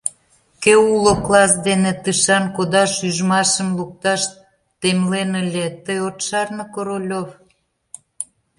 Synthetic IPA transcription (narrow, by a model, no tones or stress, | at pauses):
keuloklɑsd̪enet̪ɨʃɑnkod̪ɑʃyʒmɑʃə̆mluk̚t̪ɑʃ | t̪emlenəlʲet̪əjot̪ʃɑrnə̆koɾolʲov